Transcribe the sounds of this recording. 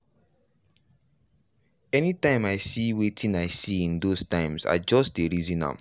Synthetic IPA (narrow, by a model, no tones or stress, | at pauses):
ɛnitãɪ̃maɪsiwetʰĩnaɪsiĩndostãɪ̃mza̰d͡ʒɔstdeɹizĩnã̰m